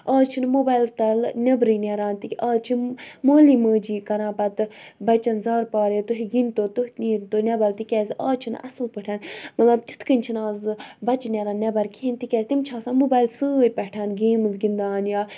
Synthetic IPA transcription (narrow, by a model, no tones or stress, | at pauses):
aːt͡ʃʰinmoːbaːjlt̪ɐlnʲɐbɾiːnʲɛɾaːnt̪iaːt͡ʃʰimoːliːməːd͡ʒiːkɐɾãːpɐt̪bɐt͡ʃɐnzaːɾpaːɾet̪uɦiɡint̪oːt̪uɦniːɾt̪oːnʲɐbalt̪ikʲɛːzʲa̰ːt͡ʃʰinɐ̰sɨlpəʈʰaːnmɐt̪lɐbt͡ʃ̪i̥t̪ʰkənʲt͡ʃʰinaːzbɐt͡ʃnʲɛɾaːnnʲɐbɐɾkʰiːnt̪ikʲɛːzʲt̪imt͡ʃʰaːsãːmoːbaːjlsɨjpʲɛʈʰaːnɡeːmɨzɡind̪aːnjaː